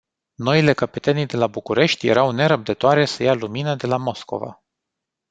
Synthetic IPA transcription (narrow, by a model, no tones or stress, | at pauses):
no̞ile̞kəpet̪enid̪e̞labukuɾe̞ʃt̪ʲje̞̰ɾawne̞ɾəp̚d̪ət̪oaɾe̞səjaluminəd̪e̞lamo̞sko̞̰va̰